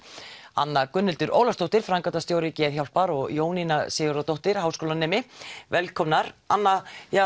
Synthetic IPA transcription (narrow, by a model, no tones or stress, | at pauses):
a̰nːakʏnːɪlt̪ʏɾʔo̰wlast̪owht̪ɪɾ̥fɾaŋkat̪ast̪jowɾɪcɪðçawlpaɾɔɣjoːwninasɪɣʏɾat̪owht̪ɪɾ̥haːwskoːlanɛːmɪvɛlkʰɔmnaɾa̰nːaja